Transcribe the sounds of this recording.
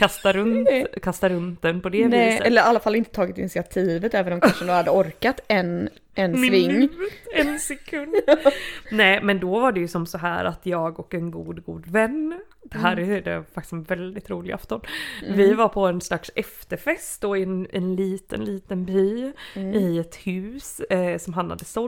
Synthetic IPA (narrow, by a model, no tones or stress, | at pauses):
kʰast̪aɾɵnt̪kʰast̪aɾɵnt̪̚d̪ɛnpʰɔd̪ɛviːsɛlːəɾalːafalːɪnt̪ə̥t̪ʰɑːɡɪt̪ɪnsɪat̪ʰiːvət̪ɛːvənɔmkaanʂɔmd̪ɔhad̪ːəɔɾkat̪ɛn | ʔɛnvɪŋːvɛnsɛkʰɵnd̪nɛːmɛnd̪ɔvaɖɛjɵsɔmsɔɦæ̰ːɾʔat̪jɑːɡɔkɛnɡuːd̪ɡuːd̪vɛnː | d̪̥ɛɦæːɾɛjd̪ɛfak̚t̪ɪ̥sɛnvɛld̪ɪt̪ɾuːlɪɡa̰ft̪ɔnvɪvaɾpʰɔɛnslaksɛft̪əɾfɛst̪dɔnɛnliːt̪ə̰nliːt̪ənbyːɪɛt̪hʉ̟ːssɔmɦanha̰d̪ːəsɔ